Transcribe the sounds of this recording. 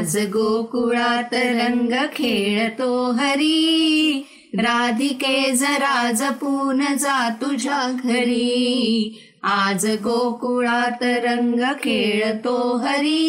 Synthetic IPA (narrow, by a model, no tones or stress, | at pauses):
d͡ʒɐɡoːkuɭaːt̪ɐɾɐŋɡɐkʰeːɭɐt̪oːɦɐɾi | ɾaːd̪ʱikeːd͡zɐɾaːd͡ʒɐpuːɾnɐd͡zaːt̪ud͡ʒʱaːɡʱɐɭi | aːd͡ʒɐɡoːkuɭaːt̪ɐɾɐ̃ŋɡɐkʰeːɭɐt̪oːɦɐɾi